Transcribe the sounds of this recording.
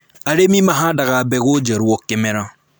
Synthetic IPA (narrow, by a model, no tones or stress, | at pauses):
aɾemĩmãɦãdaɡabɛkod͡ʒɛɾuwɔkɛmɛ̃ɾã